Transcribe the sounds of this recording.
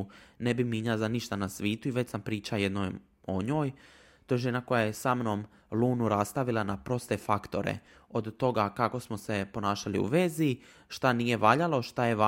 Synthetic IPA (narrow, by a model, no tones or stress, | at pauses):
nebimiɲazaniʃt̪anasʋiːt̪uiʋe̞t͡ɕsampɾiːt͡ʃaje̞d̪nojm | o̰ɲo̞ːj | t̪ojeʒe̞nako̞jajesamno̞ːm | luːnuɾast̪aʋilˠanapɾo̞st̪efakt̪o̞ɾḛ | o̞d̪ːo̞ɡakako̞smose̞po̞naːʃalḭṵʋezi | ʃt̪anije̞ʋaʎalˠoʃt̪ajeʋa